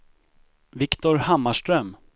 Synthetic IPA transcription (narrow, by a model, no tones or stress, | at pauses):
vɪkt̪ʊɾhamːaʂʈɾœm